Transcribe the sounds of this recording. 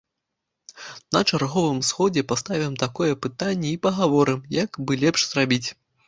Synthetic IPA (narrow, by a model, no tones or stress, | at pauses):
nɐt͡ʂarɣɔvɨmsxɔd͡zʲɛpast̪avʲɐmt̪akɔjɛpɨt̪anʲːɛipɐɣavɔɾɨmjɐkbɨlʲɛpʂz̥rabʲit͡sʲ